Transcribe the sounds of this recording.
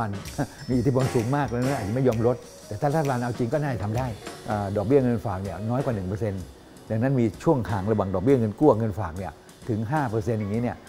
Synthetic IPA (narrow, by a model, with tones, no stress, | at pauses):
a˧nmiː˧ʔt̪ʰi˥˩po˧nsuː˨˩˦ŋmaː˥˩k̚la˧ŋna˦˥ʔaː˨˩t͡ɕa˨˩ma˥˩jɔː˧mɾo˦˥t̪̚ | t̪ɛː˨˩t̪ʰaː˥˩t̪aː˥˩˧aː˧nʔa˧wt͡ɕi˧ŋkɔː˥˩naː˥˩a˨˩t̪ʰa˧mdaː˥˩jʔəː˨˩dɔː˨˩k̚bi˥˩ɐŋɤ˧nfaː˨˩k̚ni˥˩ɐnɔː˦˥jkwa˨˩nɯ˨˩ŋp̬ɤː˧se˧n | da˨˧ŋna˦˥nmiː˧t͡ɕʰu˥˩əŋkʰaː˨˩ŋɾa˧waː˨˩ŋdɔː˨˩k̚bi˥˩ŋɤ˧nku˥˩ɐŋɤ˧nfaː˨˩k̚ni˥˩ɐ | t̪ʰɯ˩˦ŋɦaː˥˩pɤː˧se˧njaː˨˩ŋːi˦˥ni˥˩ɐ